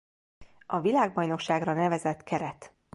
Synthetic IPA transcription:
ɒvilaːɡ̚bɒjno̞kʃaːɡrɒnɛvɛzɛt̪kʰɛɾɛt̪

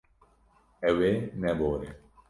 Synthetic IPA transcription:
ɛwenɛboːɾe

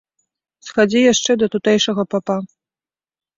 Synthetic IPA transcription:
sxad͡zʲijaʂt͡ʂɛd̪ɐt̪ut̪ɛjʂɐɣɐpapa

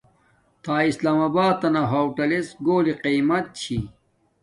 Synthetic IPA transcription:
t̪aːislaːmabaːd̪̚t̪ɐnaɦoːwʈɐlesɡoːliqimɐt̪̚t͡ɕʰi

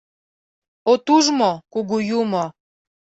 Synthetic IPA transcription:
ot̪uʒmokuɣujumo

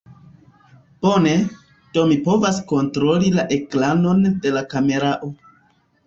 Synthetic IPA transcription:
b̥o̞ne̞ | d̥o̞mipo̞vasko̞ntɾo̞lilaʔe̞klano̞nde̞lakame̞ɾaʔo

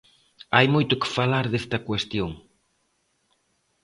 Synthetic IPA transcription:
ajmojt̪ʊkɪ̥falaɾðest̪ɐkwest̪joŋ

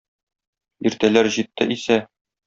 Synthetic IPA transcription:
iɾt̪ælæɾʑit̪ːɘ̰ʔisæ

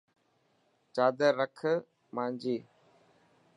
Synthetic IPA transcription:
t͡ʃaːd̪əɾəkʰə | maːɲd͡ʒiː

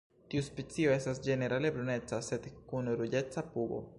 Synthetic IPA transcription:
t̪iuspet͡sio̞e̞stasd͡ʒe̞ne̞ɾale̞bɾone̞t͡sase̞d̪kunɾud͡ʒe̞t͡sapuɡo̞̰

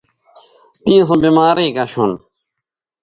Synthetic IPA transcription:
t̪ĩːẽs̬õːbimaːɾiːkaɕon

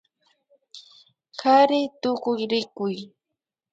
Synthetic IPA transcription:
kaɾɪt̪ʊkʊjɾɪkʊj

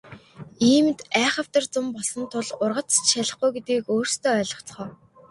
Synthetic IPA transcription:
iːmt̪æːχə̆w̥t̪ə̆rt͡sʊmpɔɮsɞ̆nt̪ʰʊɮʊrʁə̆t͡st͡ɕʃaɮə̆χɡujɡet̪̚ɡiːkoːrst̪ʰoːœːɮɞ̆χt͡sχɔː

